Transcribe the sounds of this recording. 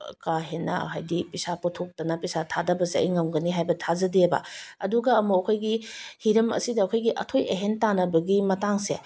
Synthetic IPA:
kaɦenːɐ̰ɐ̰ɦajdipisapotʰok̚tɐnɐpisatʰadɐbɐseɐ̰jŋɐmɡɐniɦajbɐtʰazɐdebɐ̰ɐ̰duɡɐːmuɐkʰojɡihiɾɐmɐ̰sidɐːkʰojɡiʔɐ̰tʰojeɦentanɐbɐɡimɐtaŋse

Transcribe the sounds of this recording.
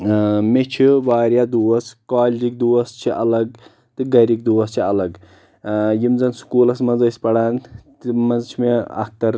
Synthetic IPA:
met͡ʃʰiʋaːɾjad̪uːwɐskaːlʲd͡ʒik̚d̪uːwɐst͡ʃʰiʔɐlɐɡ̚ | t̪ɨɡɐɾik̚d̪uwɐst͡ʃʰiɐlɐɡ | jimzɐnsu̥kuːlɐsmɐzɐjspɐɽaːnt̪imɐzt͡ʃʰimeɐ̰k̚t̪ɐɾ

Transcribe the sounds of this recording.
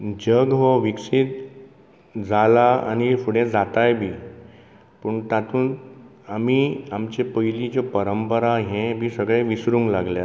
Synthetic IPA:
d͡ʑəɡɦoʋiksit̪ | d͡zalaa̰ñifuɽẽd͡zat̪ajbʱiː | pəːɳt̪at̪ʰuːn | amiamt͡ɕepəjlid͡ʑɔpəɾəmpəɾaɦẽbʱiːsəɡɭẽʋisɾũŋɡlaɡlja

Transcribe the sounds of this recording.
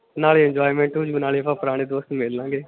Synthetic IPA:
naːleɛɲd͡ʒoːimẽːɳʈuːd͡ʒɡnaːleːəpʰãːpəɾaːñeːd̪oːst̪nːmeːlãːɡeː

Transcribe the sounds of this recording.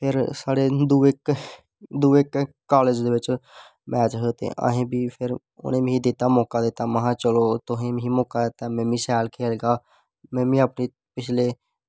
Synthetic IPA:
pʰɪɾsaːɾed̪uek | d̪uːekː | aːleːd͡ʒd̪eːʋɪt͡ʃ | mɛːt͡ʃɦot̪ḛ̃ʔa̰ːɦẽːbʱiːpʰɪɾ | ʊ̰nẽːmɦid̪et̪amɔːkad̪eːt̪aməɦãːt͡ʃəloːt̪ʊɦẽːmɦimɔːkad̪eːt̪amɛ̃ːmĩːsɛːlkʰeːlɡaː | mɛ̃ːmĩːəpni | pɪt͡ʃʰleː

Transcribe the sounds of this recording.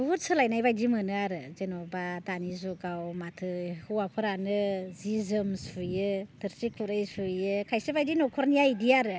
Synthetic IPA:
buut̚sɯlajnajbajdimɯnɯaɾɯzenɔbadanizuɡawmatʰɯhuwapʰɯɾanɯzizɯmsujɯtʰɯɾsikʰuɾɯjsujɯkʰajsɯbajdinɔkʰɔɾnijaidiaɾɯ

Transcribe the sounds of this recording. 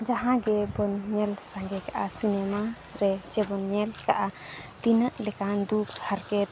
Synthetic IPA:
d͡ʒaɦãɡɛbɔnɲɛlsãŋɡɛkaʔasinɛma | ɾɛd͡ʒɛbɔnmɛlkaʔat̪inəʔlɛkand̪ukhaɾkɛt̪̚

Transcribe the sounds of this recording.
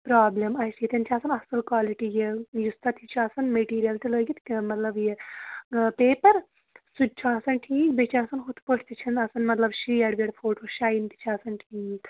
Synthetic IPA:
pɾaːblemɐsjit̪ʲɐnʲt͡ʃʰaːsɐnɐsɨlkwaːliʈijejust̪ɐt̪ʰit͡ʃʰaːsɐnmeʈiːɾijɐlt̪iloːɡʲit̪kmɐt̪lɐbje | peːpɐɾ | sud̚ʲt͡ʃʰaːsɐnʈʰiːkbet͡ʃʰaːsɐnɦut̪pəʈʰt̪it͡ʃʰinɐsɐnmɐt̪lɐbʃiːjɐɽʋeɽfʰoːʈʋɐʃaːjint̪i̥t͡ʃʰaːsɐnʈʰiːk

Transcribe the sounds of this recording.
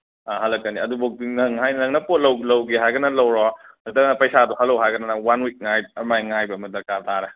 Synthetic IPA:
aɦɐlːɐkːɐniɐdubok̚dinɯŋɦajnnɐŋnɐpot̚lɐwlɐwɡiɦajɡɐnɐlɐwɾɔ | ɐtɐknɐpɐjsadɔhɐlːɐwɦajɡɐnɐnɐwanwik̚ŋajɐmajŋajbɐːmɐdɐɾkaɾtʰaɾɐ

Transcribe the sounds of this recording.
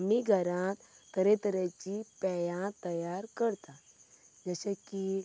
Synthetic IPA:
miɡʱəɾãt̪t̪əɾẽt̪əɾet͡ɕipɛjãt̪əjaɾkəɾt̪a | d͡zəɕaki

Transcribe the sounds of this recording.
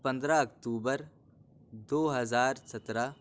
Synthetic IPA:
pə̃nd̪ɾaɐkt̪uːbəɾ | d̪oːɦɐzaːɾsɐt̪ɾaː

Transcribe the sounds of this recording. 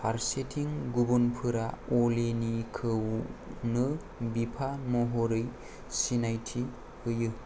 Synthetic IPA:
paɾsetʰiŋɡubunpʰɯɾaolenikʰɯwnɯ | bipʰamɔɦoɾɯj | sinajtʰi | ɯjɯ

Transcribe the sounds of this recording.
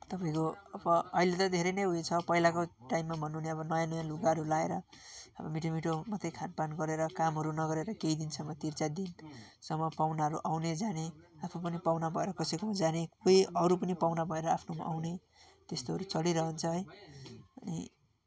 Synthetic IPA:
t̪ʌpaĩkoʌbʌːilet̪ʌd̪ʱeɾʌjnʌjɦujt͡sʰʌpʌilakoʈajmːabʱʌnːuuneʌbʌnʌjãnʌjãluɡaɦʌɾulaeɾʌʌ̰bʌ̰miʈomiʈomʌt̪ejkʰanpanɡʌɾeɾʌkamɦʌɾunʌɡʌɾeɾʌkeid̪insʌmʌt̪irt͡sad̪insʌmːʌpawnaɦʌɾuʔawned͡zaneapʰupʌnipawnabʱʌeɾʌkʌsʌkod͡zanekojʌɾup̬ʌnipawnabʱʌeɾʌapʰnoma̰ʔa̰wne | t̪est̪oɦʌɾut͡sʌɽiɾʌɦʌnt͡sʰʌɦʌj | ʌnḭ

